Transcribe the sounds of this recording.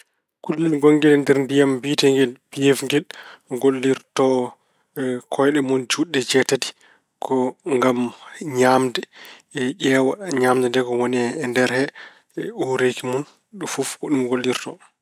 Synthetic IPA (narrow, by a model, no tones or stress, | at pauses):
kulːilɡoŋɡɛlɛndɛɾndijambitɛŋɡɛlpijɛfŋɡɛlɡolːiɾtɔ | kʰɔjɗɛmund͡ʒuɗːɛd͡ʒɛtati̥ | kʰɔŋɡamɲamdɛʄɛwaɲaːmdɛndɛkɔwɔnɛːndɛɾhɛ | uɾekimun | ɗufufkɔɗumɡolːiɾtɔ